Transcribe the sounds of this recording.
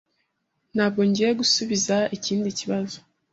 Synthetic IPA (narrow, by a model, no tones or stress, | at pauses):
n̥haːb̚ɡo̞ɲɟiːjeɡusuβizaiciːndiciβazo